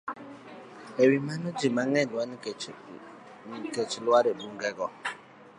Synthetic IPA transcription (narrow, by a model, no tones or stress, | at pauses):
ewimanod͡ʒimaŋɛdan | ket͡ʃilwaɾebuŋɡɛɡɔ